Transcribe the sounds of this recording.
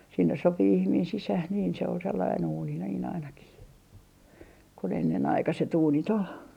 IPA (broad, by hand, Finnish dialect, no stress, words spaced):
sinːes sopi ihmiːn sisæh niːn se ol selːɑin uːni niːn ɑinɑkih kun enːenɑikɑset uːnit ol